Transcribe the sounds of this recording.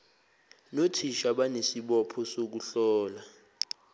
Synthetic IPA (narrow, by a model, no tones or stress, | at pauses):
notʰiʃaɓanesiɓɔpʰɔsok̬uɬɔːla